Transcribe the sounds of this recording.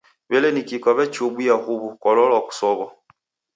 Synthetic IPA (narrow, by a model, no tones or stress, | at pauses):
βɛlɛnikikɔβɛt͡ʃubujahuβukɔlɔlaku̥sɔβɔ